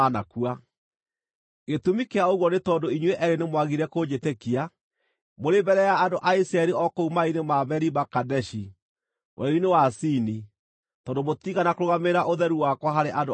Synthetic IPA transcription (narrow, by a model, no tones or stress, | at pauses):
nakua | ɣetumikeaoɣwɔnetɔːndoiɲweʔɛɾenemwaɣiɾɛkoɲetekia | moɾebɛɾɛjaːndoʔaisɾaɛɾiɔkoumainemaβɛɾibakadɛʃi | wʔɛ̰ɾinewasini | tɔːndomot̪iɣanakoɾoɣameɾaʔoðɛɾuwakwaɦaɾeʔando